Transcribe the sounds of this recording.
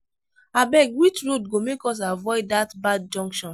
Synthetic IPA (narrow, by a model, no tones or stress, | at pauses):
abɛɡwit͡ʃɹod̚ɡomekɔs̬avɔɪdatbad̚d͡ʒɔ̃ŋkʃɔ̃n